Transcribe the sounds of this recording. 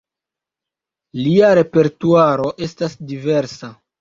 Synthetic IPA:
liaɾe̞pe̞ɾtuaɾo̞ʔe̞stasdive̞ɾsa

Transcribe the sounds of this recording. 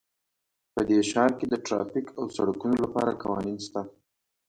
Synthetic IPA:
pəd̪eʃɑɾked̪əʈɾɑ̰fikawsaɽakunolapɑ̰ɾakawɑ̰ninst̪a

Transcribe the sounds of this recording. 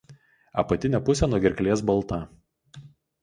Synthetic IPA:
ɐpɐt̪ʲɪnʲɛpʊsʲɛnuɔɡʲɛɾʲklʲiɛs̬bɐlˠˑt̪ɑˑ

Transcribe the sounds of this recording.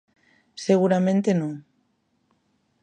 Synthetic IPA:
seɣ̞uɾamẽnt̪enõ

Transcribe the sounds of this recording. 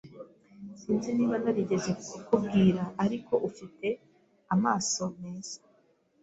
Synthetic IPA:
siːnzeniːβanaɾiɟe̞zekkubɡiːɾaʔaɾiko̞ʔufite̞ | amaːso̞me̞ːz̥ḁ

